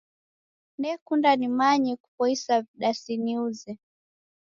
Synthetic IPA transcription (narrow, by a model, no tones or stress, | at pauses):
ndɛkundanimaɲɛku̥pɔisaviɗasiniuzɛ